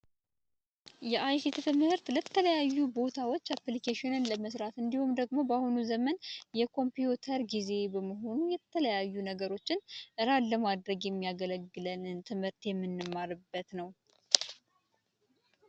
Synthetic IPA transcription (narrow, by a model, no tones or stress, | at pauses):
jɛʔajkit̪t̪ʰɨmhɨɾt̪lət̪ʰːələjajːubo̞t̪ʰawo̞t͡ʃːaplikeʃɪnɨnləməsɾat̪ɨnd̪ihumd̪əɡmo̞bahunuzəmənjɛkʰo̞mpijut̪ʰəɾɡize̞bəməɦo̞nujɛt̪ʰələjajːunəɡəɾo̞t͡ʃːɪnʔɨɾalːəmad̪ɾəɡjɛmːijaɡələɡːɨlənɨnt̪ʰɨmhɨɾt̪jɛmːɨnːɨmːaɾɨbːət̪nəw